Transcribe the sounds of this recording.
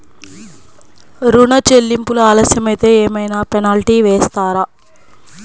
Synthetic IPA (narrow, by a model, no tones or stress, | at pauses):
ɾuɳɐt͡ʃelːimpuluaːlɐsjɐmɐjt̪e̞ːɛːmɐjnaːpɛnaːlʈiːʋeːst̪aːɾa